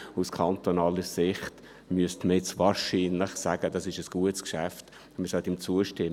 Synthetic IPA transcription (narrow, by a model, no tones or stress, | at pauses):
uskʰant̪onɑːləsɪχt | myəstməɛt͡svaːɾʃiːnlɪχsæːɡ̥əd̥ɑsɪʃəsɡ̥uətskʃæft | məsœltɪmt͡suəʃtɪm